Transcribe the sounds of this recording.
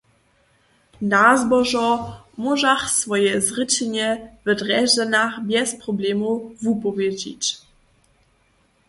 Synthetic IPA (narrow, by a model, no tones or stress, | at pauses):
nazbɔʒɔ | mɔʒaxsvɔjɛzʁɪt͡ɕɛɲɛvɛdrɛʒɛnaxbjɛspɾɔblɛmuvupɔvjɛd͡ʑḭt͡ɕ